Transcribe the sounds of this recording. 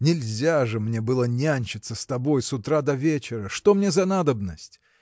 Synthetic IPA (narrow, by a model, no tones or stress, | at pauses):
nʲɪlʲzʲaʐɨmnʲe̞bɨlˠənʲanʲɕɪt̪səst̪ɐbo̞jsʊt̪ɾad̪ɐvʲet͡ɕɪɾəʂt̪o̞mnʲezɐnad̪əbnəsʲtʲ